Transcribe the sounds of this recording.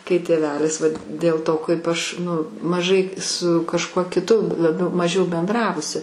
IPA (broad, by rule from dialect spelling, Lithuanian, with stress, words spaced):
kɐɪ tʲeːˈʋʲæːlʲɪs ˈʋɐt dʲeːlˠ ˈtoː kɐɪp ˈɐʃ nʊ mɐˈʒɐɪ sʊ kɐʃˈkuɔ kʲɪˈtʊ lˠɐˈbʲɛʊ mɐˈʒʲɛʊ bʲɛnˈdrɑːʋʊsʲɪ